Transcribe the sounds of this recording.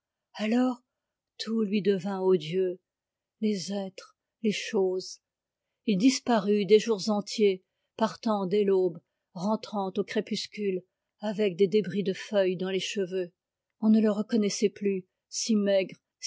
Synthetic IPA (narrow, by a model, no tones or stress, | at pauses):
alɔʁ | t̪ʰulɥid̪əvɛ̃od̪jø | lezɛt̪χ | leʃoz | ild̪ispaʁyd̪eʒuʁzɑ̃t̪je | paʁt̪ɑ̃d̪elob | ʁɑ̃t̪χɑ̃t̪okχepyskʲyl | avɛk̚d̪ed̪ebʁid̪əfœjd̪ɑ̃leʃəvø | ɔ̃nələʁəkɔnɛsɛply | simɛɡʁ